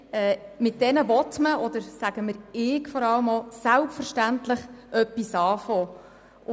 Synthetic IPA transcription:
ɛːmɪt̚d̥ɛnəʋɔtməɔd̥̪əɾsæɡ̥əməɾɪːkfɔɾɑləmɔsælpfəɾʃtæntləχʔœpːisɑːfoː

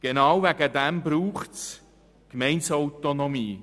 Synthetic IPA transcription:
ɡ̥enɑwvæɡədɛmbɾuːχts | kmɛɪnsɔwt̪onomiː

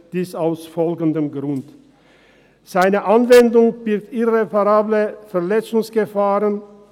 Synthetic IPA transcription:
d̥iːsaʊsfɔlɡən̩dəmɡʁʊnt | z̥aɪnəʔanvɛndʊŋb̥ɪk̚tɪʁepaʁaːbləfɛɐlɛt͡sʊŋsɡ̥əfaːʁən

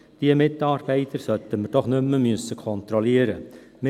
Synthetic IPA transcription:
d̪̥iəmɪd̪ɑɾbæɪd̪əɾsœt̪əməʈ̪ɔχnʉmːəmysəkʰɔnt̪ɾɔleːɾə | m

